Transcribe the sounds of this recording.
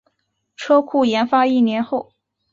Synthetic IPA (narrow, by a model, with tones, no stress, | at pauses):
ʈ͡ʂʰɤ˥kʰu˥˩jɛ˧˥nfa˥i˥˩njɛ˧˥nxo˥˩ʊ